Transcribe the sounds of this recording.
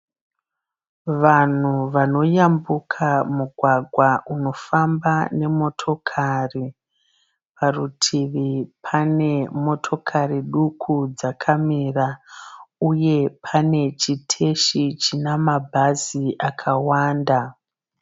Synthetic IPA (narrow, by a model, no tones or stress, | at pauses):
ʋan̤uʋano̞jambukʰamuɡʱwaɡʱwaʔuno̞fambane̞mo̞tʰo̞kʰari | parutʰiʋipʰane̞mo̞tʰo̞kʰariɗukʰud͡zakʰamira | uje̞pʰane̞t͡ʃitʰe̞ʃit͡ʃinamabʱaziʔakʰawaːnda